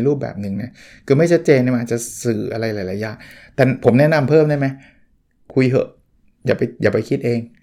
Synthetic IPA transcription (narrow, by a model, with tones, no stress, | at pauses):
jɾuː˥˩p̚bɛ̰ː˨˩p̚nɯ˧ŋna˦˥ | kʰɯː˧ma˥˩jt͡ɕʰa˦˥t̪̚t͡ɕeː˧nːa˧˩ʔaː˨˩t̪̚t͡ɕa˨˩sɯː˨˩ʔa˧ɾa˧jlaː˨˦jla˨˦jaː˧˥˩ŋt̪ɛː˨˩pʰo˩˦mnɛ˦˥˩na˧mpʰɤː˥˩mdaː˥˩jma˦˥j | kʰu˧jɦɤ̰˨˧˩ʔ | jaː˨˩pa˧jjaː˨˩pa˧jkʰi˦˥t̪̚ʔeː˧ŋ